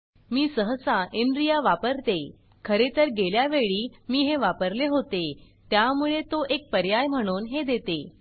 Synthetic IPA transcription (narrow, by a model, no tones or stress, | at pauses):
miːsəɦəsãʔenɖɾijaʋapəɾt̪e | kʰəɾet̪əɾɡeljaʋeɭiːmiːɦeʋapəɾleɦot̪e | t̪jamuɭet̪oʔek̚pəɾjajm̤əɽ̃uːnɦed̪et̪e